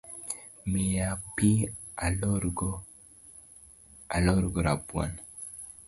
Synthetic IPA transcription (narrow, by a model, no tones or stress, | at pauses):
mejapi | aɾɡ | alɔɾɡoɾabwa̰n